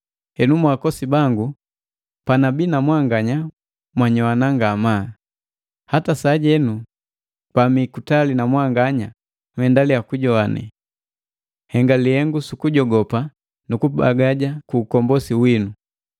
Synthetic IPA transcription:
hɛnumwakɔsibaŋɡu | panabinamwaŋɡaɲa | mwaɲɔwanaŋɡama | hatasaːɟɛnu | pamikutalinamwaŋɡaɲa | mwhɛndalijakuɟɔanɛ̰ | hɛŋɡalihɛŋɡusukuɟɔɡɔpa | nukuba̰ɡaɟakuːkɔmbɔsiwinu

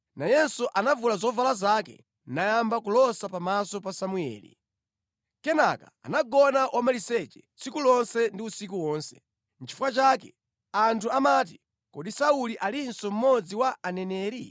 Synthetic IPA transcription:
najɛsuʔanavulazɔvalazakɛ̰ | najambakulɔsapamasɔpasamuɛ̰ːlḭ | kɛna̰kaa̰naɡɔnaʔɔmalisɛt͡ʃɛ | t͡sikulɔnsɛndiusik̬uwɔːnsɛ̥ | n̩t͡ʃʰi̥fukat͡ʃakɛ | antʰuamat̬i | kɔɗisauliʔalinsɔm̩mɔd͡ziwaanɛnɛːɾi

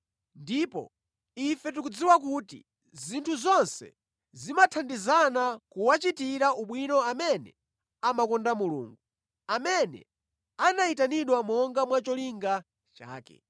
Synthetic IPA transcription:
ndipɔ̰ | ifɛt̬ukud͡ziwak̬utḭ | zintʰuzɔnsɛ̰ | zimatʰandizanakuwat͡ʃitiɾauɓwinɔamɛnɛ̰ | amakɔndamulṵːŋɡu | amɛnɛ̰ | anaitaniɗwamɔŋɡamwat͡ʃɔliŋɡa | t͡ʃa̰ːkɛ̰

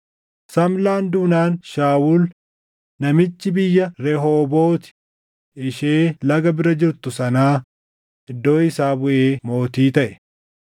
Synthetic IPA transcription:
sɐmlaːnd̪uːnaːnʃaːwuːl | nɐmɪt͡ʃːɪbɪjːɐɾɛɦoːbo̞ːt̪ɪ̥ | ʔɪʃeːlɐɡɐbɪɾɐd͡ʒɪɾt̪ʊsɐnaː | ʔɪd̪ːo̞ːɪsaːbʊʔeːmo̞ːt̪iːt̪ɐʔɛ̥

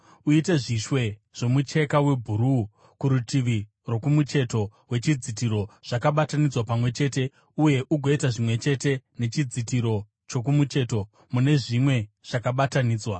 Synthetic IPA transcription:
uite̞ʐiʃwe̞ʐ̥o̞mut͡ʃe̞kawe̞bʱuɾu | kuɾutiʋi | ro̞kumut͡ʃe̞to̞we̞t͡ʃid͡zit̬iɾo̞ʐ̥akaɓatanid͡zwapamwe̞t͡ʃe̞ːte̞ | uje̞ʔuɡʱo̞itaʐimwe̞t͡ʃe̞te̞ne̞t͡ʃid͡zitiɾo̞ | t͡ʃo̞k̬umut͡ʃe̞to̞ | mune̞ʐimwe̞ʐ̥akaɓataniːd͡zwa

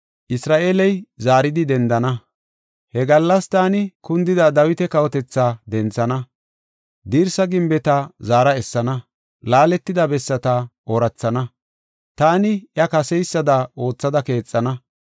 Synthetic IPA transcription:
ʔɪsɾaːʔeːlɛjzaːɾɪd̪ɪd̪ɛnd̪ɐnɐ | hɛɡɐlːɐst̪aːnɪkʊnd̪ɪd̪ɐd̪ɐwɪt̪ɛkɐwɔt̪ɛt͡sːaːd̪ɛnt͡sːɐnɐ | d̪iːɾsɐɡɪmbɛt̪ɐzaːɾɐɛsːɐnɐ | laːlɛt̪ːɪd̪ɐbɛsːɐt̪ɐʔɔɾɐt͡sːɐnɐ | t̪aːnɪʔjɐkɐsɛjsːɐd̪ɐʔo̞ːt͡sːɐd̪ɐke̞ːt͡sʼːɐnɐ

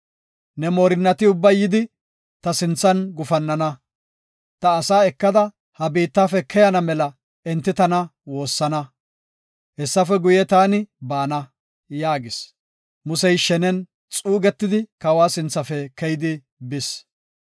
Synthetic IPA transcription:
nɛmoːɾɪnːɐt̪ɪʊbːɐjɪd̪ɪ | t̪ɐsɪnt͡sːɐnɡʊfɐnːɐnɐ | t̪ɐːsaːɛkːɐd̪ɐ | hɐbiːt̪ːaːfɛkʰɛjɐnɐmɛlɐ | ɛnt̪ːɪt̪ɐnɐwo̞ːsːɐnɐ | hɛsːɐfɛɡʊjɛt̪aːnɪbaːnɐ | jaːɡɪs | mʊsɛjʃɛnɛn | t͡sʼuːɡɛt̪ːɪd̪ɪkɐwaːsɪnt͡sːɐfɛkɛjɪd̪ɪ | bɪs

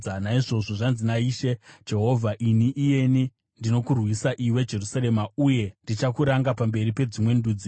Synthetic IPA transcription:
anaiʐo̞ʐo̞ʐanzinaiʃe̞d͡ʒe̞ɦo̞vʱaʔiniʔije̞ni | ndino̞kurwisaʔiwe̞d͡ʒe̞rusaɾe̞mauje̞ndit͡ʃakuɾaŋɡapambe̞ɾipe̞d͡zimwe̞nduːd͡zi

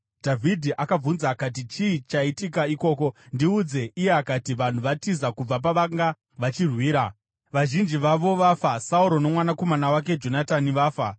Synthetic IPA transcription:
dʱavʱidʱiʔakab͡vunzaːkat̬it͡ʃiːt͡ʃaitikaiko̞ːko̞ndiud͡ze̞ʔije̞akatiʋan̤uʋatizakub͡vap̬aʋaŋɡa | ʋat͡ʃirwiːɾa | ʋaʒind͡ʒiʋaʋo̞ʋafasauɾo̞ne̞mwanako̞manawak̬e̞d͡ʒo̞nataniʋaːfa

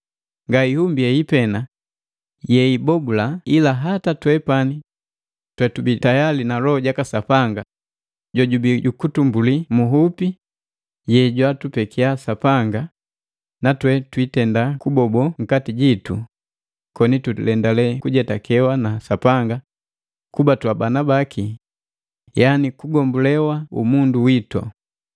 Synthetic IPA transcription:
ŋɡaihumbiɛipɛna | jɛibɔbulailaɦatatwɛpani | twɛtubitajalinalɔɔɟakasapaŋɡa | ɟɔɟubiɟukutumbulimuɦupi | jɛɟwatupɛkiasapaŋɡa | natwɛtwitɛndakubɔbɔŋ̩katiɟitṵ | kɔnitulɛndalɛkuɟɛtakʰɛwanasapaŋɡa | kubatwabanabakʰi | janikuɡɔmbulɛwaṵmunduwitɔ̰

